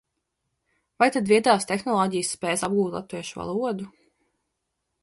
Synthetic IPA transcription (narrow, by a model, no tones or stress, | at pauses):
vajt̪ad̪viɛd̪aːst̪exnɔlˠɔːɟijsːpɛːsab̚ɡuːt̪lˠa̰t̪ːviɛʃuva̰lˠuɔd̪u